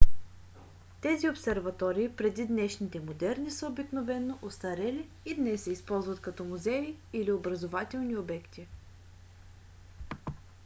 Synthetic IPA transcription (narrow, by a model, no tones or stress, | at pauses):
t̪ɛziopsɛɾvɐt̪ɔɾiːpɾɛd̪id̪nɛʃnit̪ɛmod̪ɛɾnisəobiknovɛnːoʔost̪ɐɾɛliːd̪nɛsːɛispɔlˠzvɐt̪kɐt̪ɔmʊzɛiiliobɾɐzovat̪ɛlˠniobɛkt̪i